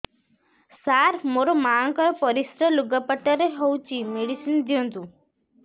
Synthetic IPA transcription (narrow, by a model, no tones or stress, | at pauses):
saɾmoɾomaəŋkəɾpəɾisɾəluɡəpəʈəɾeɦɔwt͡ʃimeɽisind̪ʱijõnd̪ũ